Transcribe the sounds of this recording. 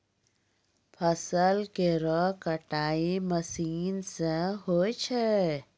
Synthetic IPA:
pʰəsəlkeɾɔkəʈaːiməsiːnseɦoːt͡ʃʰe

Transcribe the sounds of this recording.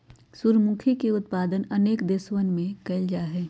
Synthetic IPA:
suɾmuːkʰikeʊt̪paːd̪ənɐneːkd̪eːswənmẽkɐɪld͡ʒaːɦɛː

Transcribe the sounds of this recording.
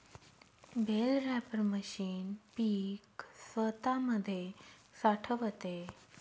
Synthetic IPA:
belɾæpəɾməɕiːnpiksʋət̪aməd̪ʱːjesaʈʰəʋət̪e

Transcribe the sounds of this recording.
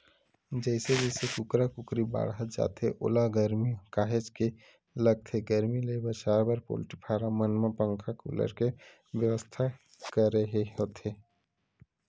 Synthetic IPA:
d͡ʒɛɪsed͡ʒɛːsekʊkɾakʊkɾiba̰ːɽɦət̪̚d͡ʒa̰ːt̪ʰeʔʊ̰laɡəɾmikaːɦed͡ʒke | ləɡ̚t̪ʰeɡəɾmilebəɾʃaːɾbəɾpo̰ːlʈipʰaːɾamənmapə̃ŋkʰakṵːlə̰ɾke | ʋjəʋəst̪ʰa | kəɾəɦeɦot̪ʰe

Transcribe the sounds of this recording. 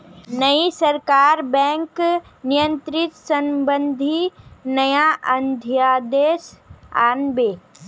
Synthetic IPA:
nəisəɾkaːɾbɛ̃ːŋknɪjə̃nt̪ɾɪt̪səmbə̃nd̪ʱinəjaʔənd̪ʱjaːd̪eːsa̰ːnbeː

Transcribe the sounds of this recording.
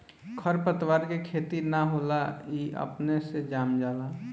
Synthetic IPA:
kʰəɾpət̪waːɾkekʰeːt̪inaɦoːlaiʔə̰pnesed͡ʒaːmd͡ʒaːla

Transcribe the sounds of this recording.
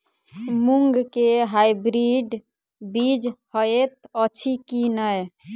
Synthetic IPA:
muŋɡkeɦajbɾiɖ | bid͡ʒhəet̪ət͡ʃʰikinəj

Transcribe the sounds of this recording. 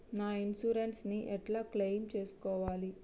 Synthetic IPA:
naːinsuːɾenʈsniʔɛʈlaːklejmt͡ʃeːsu̥kɔːʋaːli

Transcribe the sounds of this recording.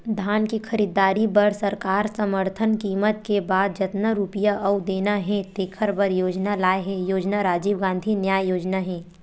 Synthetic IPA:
d̪ʱaːnkikʰɐɾiːd̪aːɾibɐɾsɐɾkaːɾsɐməɾt̪ʰənkiːmət̪̚kebaːd̪̚d͡ʒɐt̪naɾuːpijaʔɐwd̪eːnaɦɛ̃t̪eːkʰəɾbɐɾjoːd͡ʒnalaːeɦɛ̃joːd͡ʒnaɾaːd͡ʒiːʋɡãːnd̪ʱinjaːjjoːd͡ʒnaɦɛ̃ː

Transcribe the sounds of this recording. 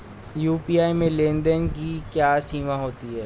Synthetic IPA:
juːpiaːimẽlẽnd̪ənkikjaːsiːmaɦoːt̪iɦɛː

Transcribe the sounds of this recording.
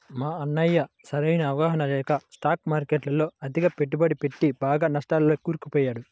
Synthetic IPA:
maːɐnːɐjːɐ | sɐɾɐjnɐːʋɐɡaːɦɐnɐlɛːkɐsʈaːkmaːɾkeʈlɐlo̞ːɐd̪ʱiɡɐpeʈːubɐɽipe̞ʈːibaːɡaːnɐsʈaːlloːkuːɾkupɔːjaːɽu

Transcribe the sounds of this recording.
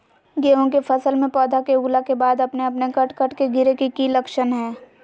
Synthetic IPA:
ɡeːõk̬epʰɐsəlmẽpɔːd̪ʱakeuːlakebaːd̪ɐpneɐpnekɐʈkəʈkeɡʱɪɾekikilɐkʃənɦɛː

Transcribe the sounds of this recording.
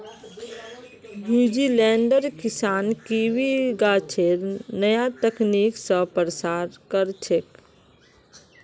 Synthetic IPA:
muːd͡ʒilɛ̃ːɳɖəɾkɪsaːnkiwiɡaːt͡ʃʰeɾnəjat̪əkniːksəpɾəsaːɾkəɾt͡ʃʰek

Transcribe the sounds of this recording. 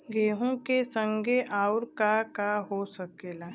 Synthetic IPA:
ɡeːɦõkesə̃ŋɡʱeʔaːʊɾkakaɦosəkeːlaː

